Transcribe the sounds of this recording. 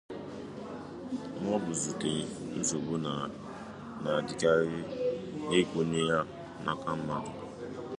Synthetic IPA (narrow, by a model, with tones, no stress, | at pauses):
ŋʷɔ˦bʊ˨zu˨te˨n̩˦zo˨bu˦n˨ | na˨dɪ˨ka˦ɾɪ˦ne˦kʷu˨ne˦ja˦ | na̰˦ka˦m̩˦ma˦˨